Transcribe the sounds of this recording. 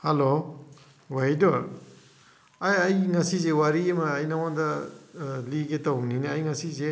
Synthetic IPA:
halo | wajdɔɾ | ajajŋasizewaɾiemɐːjnawandɐ | liɡetawninajŋasize

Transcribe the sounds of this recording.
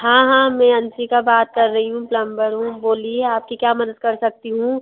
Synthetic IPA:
ɦãːɦãːmɛ̃ɐ̃nt͡ʃikabaːt̪̚kɐɾːɐɦiɦũplɐ̃mbəɾɦũboːlieaːp̚kikjaːmɐd̪əd̪̚kɐɾsɐk̚t̪iɦũː

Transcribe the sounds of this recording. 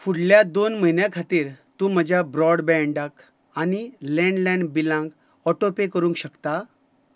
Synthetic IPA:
fuɽljad̪onməɦinjãkʰat̪iːɾt̪ũm̤əd͡ʑʱjabɾɔɽbɛ̃ɳɖak | anilɛ̃ɳɖlɛ̃ɳɖbilãŋɡ | ɔʈopekəɾũŋkɕəkt̪a

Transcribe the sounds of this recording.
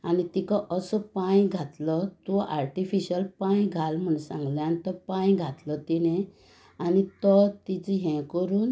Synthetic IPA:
anit̪ikaʔəsəpãjɡʱat̪lət̪ɔʔa̰ɾʈifiɕəlpãjɡʱalm̤əɳsãŋɡleanit̪ɔpãjɡʱat̪lət̪inẽ | anit̪ɔt̪it͡səɦɛ̃kəɾuːn

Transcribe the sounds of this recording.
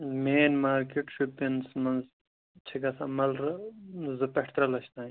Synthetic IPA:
meːnmaːɾkeʈʃupːinsmɐnz | t͡ʃʰiɡɐsamɐlɾzɨpɐʈʰt̪ɾɐlɐʃt̪aː

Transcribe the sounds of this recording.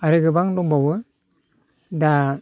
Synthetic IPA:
aɾɯɡɯbaŋdɔŋbawɯ | da

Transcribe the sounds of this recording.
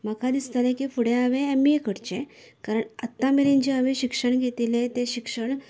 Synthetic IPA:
məkad̪ist̪alẽkiːfuɽẽaʋẽːmiekəɽt͡ɕẽ | kaɾəɳət̪ːãmeɾẽɲd͡ʑiəʋẽɕikʂəɳɡʱet̪ilẽt̪ẽɕikʂəɳ

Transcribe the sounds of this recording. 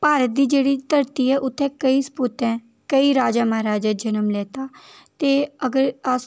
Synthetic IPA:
paːɾət̪̚d̪iːd͡ʒeːɽiːt̪əɾt̪iːɛːʔʊt̪ʰːɛ̃ːkəiːspʊt̪ɛ̃ː | kəiːɾaːd͡ʒãːmaaɾaːd͡ʒɛːd͡ʒənəmlɛːt̪aː | t̪eːəɡəɾəs

